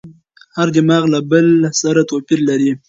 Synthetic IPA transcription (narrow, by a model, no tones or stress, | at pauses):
haɾd̪ɪmɑɣlabəlsaɾat̪opiɾlaɾi